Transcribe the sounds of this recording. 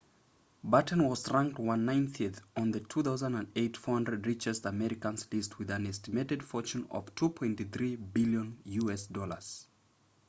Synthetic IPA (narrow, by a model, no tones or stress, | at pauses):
batnwʌz̥ɹãŋk̚twʌ̃nːãɪ̃nθiɨθn̩ðɨtʰuθaʊzə̃nə̃neɪtfɔhʌ̃ndɹɨdɹɪt͡ʃɛstəmɛɹɪkə̃nzlist̚wɨðɨ̃nɛstɨmeɪɾɨdfɔɹt͡ʃũnʌ̰v̥tʰupʰɔ̃ɪ̃ntθɹibɪljə̃njuɛsdɔlə̰˞z̥